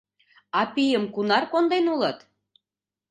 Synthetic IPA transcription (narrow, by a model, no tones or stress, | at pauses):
ɑpijəmkunɑrkond̪enulət̪